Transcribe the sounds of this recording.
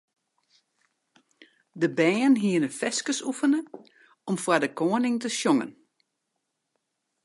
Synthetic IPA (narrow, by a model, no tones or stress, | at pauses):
dəbɛːənɦiənənfɛskəsufənə | ɔmfwadəkʰoːənɪŋtəsjoŋə̰n